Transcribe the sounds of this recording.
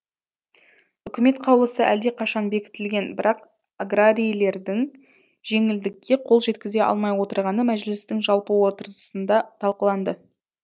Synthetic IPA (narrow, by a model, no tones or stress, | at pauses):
ʏkʲɪme̞t̪qʰɑwlˠəsəʔæld̪e̞qʰɑʃɑnbe̞kʲɪ̥t̪ɪlɡʲe̞nbɪɾɑq | aɡraɾʲijle̞ɾd̪ɪŋ | ʒ̥e̞ŋɪld̪ɪkʲːe̞qʰo̞lˠʒe̞t̪̚kʲɪze̞ʔɑ̰lˠmɑjwo̞t̪əɾʁɑnəmæʒlɪst̪ɪŋʒɑlˠpəwo̞t̪əɾzəsənd̪ɑt̪ʰɑlˠqəlˠɑnd̪ə